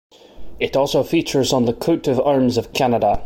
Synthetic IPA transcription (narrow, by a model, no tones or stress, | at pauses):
ɪʔɔlˠsofit͡ʃə˞zn̩ðəkʰʉtɪva˞mzəv̥kʰanədə